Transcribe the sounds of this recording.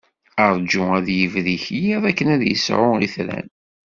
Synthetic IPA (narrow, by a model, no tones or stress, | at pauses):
əɾˤd͡ʒʊæðjəvðiçjiðˤækːənæðjəsʕʊḭθɾæ̰n